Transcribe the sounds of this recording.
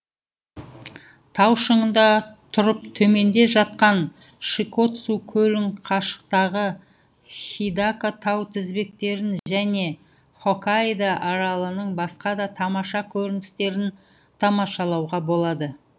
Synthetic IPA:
t̪ʰɑwʃəɴənd̪ɑt̪ʰʊɾəp̚t̪ʰɵme̞nd̪e̞ʒɑt̪̚qɑn | ʃiko̞t̪sukʲʰɵlɪŋqʰɑʃə̥qt̪ɑʁə | χijd̪akot̪ʰɑwt̪ʰɪzbe̞k̚t̪e̞ɾɪnʒæne̞ | χo̞kajd̪aʔɑɾɑlˠənəɴbɑsqɑd̪ɑt̪ʰɑmɑʃɑkʲʰɵɾɪnɪst̪e̞ɾɪn | t̪ʰɑmɑʃɑlˠɑwʁɑbo̞lˠɑd̪ə

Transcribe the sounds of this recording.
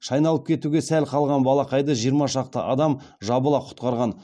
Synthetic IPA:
ʃɑjnɑlˠəp̚kʲʰe̞t̪uɡʲe̞sælqʰɑlˠʁɑnbɑlˠɑqʰɑjd̪əʒijəɾmɑʃɑq̚t̪ə̰ʔɑd̪ɑm | ʒɑbəlˠɑqʰʊ̥t̪qɑɾʁɑn

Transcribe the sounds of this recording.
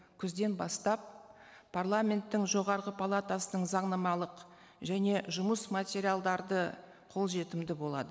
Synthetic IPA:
kʲʰʏzd̪e̞nbɑst̪ɑp̚ | pʰarlˠamʲe̞nt̪ːɪŋʒo̞ʁɑɾʁəpʰalˠat̪asənəɴzɑɴnɑmɑlˠəq | ʒæne̞ʒʊməsmat̪ʲeɾʲijalˠd̪ɑɾd̪ə | qʰo̞lˠʒe̞t̪ɪmd̪ɪbo̞lˠɑ̰d̪ə

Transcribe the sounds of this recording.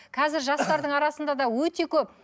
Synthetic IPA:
qʰɑzɪɾʒɑst̪ɑɾd̪əɴɑɾɑsənd̪ɑd̪ɑwɵt̪e̞kʲʰɵp̚

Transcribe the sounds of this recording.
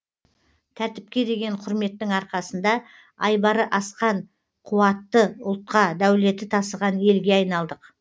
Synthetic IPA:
t̪ʰæɾt̪ɪp̚kʲe̞d̪e̞ɡʲe̞ɴqʰʊɾme̞t̪ːɪŋɑɾqɑsənd̪ɑ | ɑjbɑɾəʔɑsqɑɴ | qʰʊwɑt̪ːəʊ̰lˠt̪̚qɑd̪æwle̞t̪ɪt̪ʰɑsəʁɑne̞lɡʲe̞ɑjnɑlˠd̪əq

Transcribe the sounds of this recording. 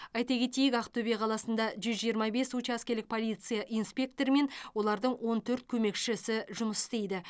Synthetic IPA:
ɑjt̪ɑkʲʰe̞t̪ejɪkɑqt̪ʰɵbeqʰɑlˠɑsənd̪ɑʒʏzʒijəɾmɑbe̞sut͡ʃɑæskʲe̞ɾlɪk̚pʰo̞lijt̪sɨjɑʔijnspʲe̞k̚t̪o̞ɾme̞nwo̞lˠɑɾd̪əɴwo̞nt̪ʰɵɾt̪̚kʲʰɵme̞kʃɪsɪʒʊməsɪst̪e̞jd̪ɪ

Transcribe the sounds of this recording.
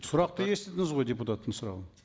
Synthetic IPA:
sʊɾɑqt̪əje̞st̪ed̪ɪŋɪzʁo̞jd̪ʲeput̪at̪ːəɴsʊɾɑ̰lˠə

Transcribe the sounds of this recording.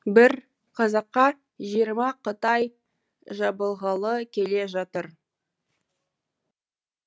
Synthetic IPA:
bɪɾ | qʰɑzɑqːɑ | ʒijəɾmɑqət̪ɑj | ʒɑbəlˠʁɑlˠəkʲʰe̞le̞ʒɑt̪əɾ

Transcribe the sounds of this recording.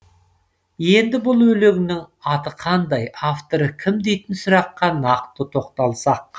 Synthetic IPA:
je̞nd̪ɪbʊlˠwɵleɡʲɪnɪŋɑt̪əqʰɑnd̪ɑjaft̪o̞ɾəkʲʰɪmd̪e̞jt̪ɪnsʊɾɑqːɑnɑq̚t̪ət̪ʰo̞qt̪ɑlˠsɑq̚

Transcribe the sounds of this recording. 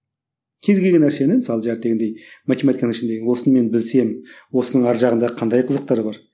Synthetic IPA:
kʲʰe̞zɡʲeɡenːæɾse̞nɪmɪsɑlˠəʒæɾt̪ːe̞ɡʲend̪e̞jmat̪ʲemɑt̪ikɑnəŋɪʃɪnd̪e̞ɡʲɪŋwo̞sənəme̞nbɪlse̞mwo̞sənəɴɑɾʒɑʁənd̪ɑqʰɑnd̪ɑjqʰəzəq̚t̪ɑɾəbɑɾ

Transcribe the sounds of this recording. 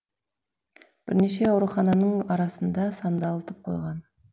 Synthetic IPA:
b̥ɪɾneʃe̞ɑwɾuχɑnɑnəɴɑɾɑsənd̪ɑsɑnd̪ɑlˠət̪əp̚qʰo̞̰jʁɑn

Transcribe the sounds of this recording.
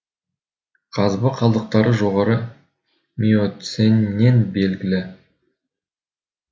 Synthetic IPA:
qʰɑzbəqʰɑlˠd̪əq̚t̪ɑɾəʒo̞ʁɑɾə | mʲiot̪senːe̞nbe̞lɡʲɪlɪ

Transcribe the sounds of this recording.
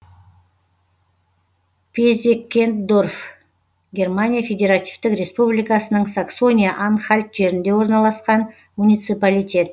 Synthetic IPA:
pʲezʲekʲːe̞nt̪d̪o̞rf | ɡʲe̞rmanʲijafʲe̞d̪ʲe̞ɾat̪ivt̪ɪkrʲe̞spublijkasənəɴsakso̞nʲijaʔanχalʲt̪ʒe̞ɾɪnd̪e̞wo̞ɾnɑlˠɑsqɑn | munʲijt̪sɨpalʲit̪ʲe̞t̪

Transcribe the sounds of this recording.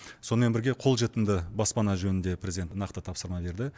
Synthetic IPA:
so̞nəme̞nbɪɾɡʲe̞qʰo̞lˠʒe̞t̪ɪmd̪ɪbɑspɑnɑʒɵnɪnd̪e̞pʰrʲezid̪ent̪nɑqt̪ət̪ʰɑpsəɾmɑbe̞ɾd̪ɪ

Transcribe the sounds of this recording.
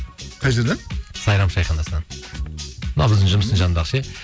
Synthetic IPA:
qʰɑʒɪɾd̪ensɑjɾɑmʃɑjχɑnd̪ɑsnɑn | bənɑ̰wbɪzd̪ɪŋʒʊməsənʒɑnd̪ɑʁʃe

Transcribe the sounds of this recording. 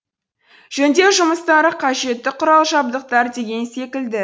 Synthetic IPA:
ʒ̥ænd̪e̞ʒʊməst̪ɑɾəqʰɑʒe̞t̪ːɪqʰʊɾɑlˠʒɑb̚d̪əq̚t̪ɑɾd̪e̞ɡʲe̞nse̞kʲɪld̪ɪ

